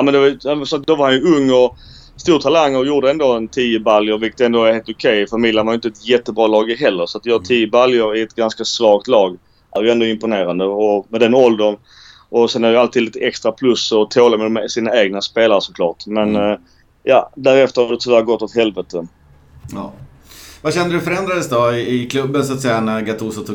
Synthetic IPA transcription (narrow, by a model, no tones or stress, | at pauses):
jmɛnd̪ɛvajsɔt̪d̪ɔvaɾhanjɵɵŋːɔ | st̪uːɾt̪ʰalaŋːɔjuːɖəɛnd̪oːɛnt̪ʰiːəbaljəɾvɪkːət̪ɛnd̪oheːlt̪ʊkʰɛjfamɪd̪jənvaɾjʏnt̪əɛt̪jɛt̪ːəbɾɑːlɑːɡɪɦɛlːəɾsɔat̪d̪jhɑːt̪ʰiːjəbaljəɾɪɛt̪ɡanskasvɑːk̚t̪lɑːɡ | aɾjɛnd̪ɔɪmpʊneːɾand̪əɔmɛd̪ɛnɔld̪ən | ʔɔsɛnæɾjalt̪ʰid̪liːt̪əɛkst̪ɾapʰlɵsɔt̪ʰoːlamɛd̪mɛsiːnaeːɡnaspeːlaɾəʂsɔkʰlɑ̰ːʈmɛn | jɑ̰ːd̪æːɾɛft̪əɾhaɑd̪ɛt̪ʰɵvæːɾɡɔt̪ːɔt̪hɛlvɛt̪ə | ɑ̰ː | vaɕɛnd̪əɾɵfœɾɛnd̪ɾad̪əsd̪ɔɪɪkʰlɵbːənsat̪sɛjːanæɾɡat̪ʰusɔt̪ʰː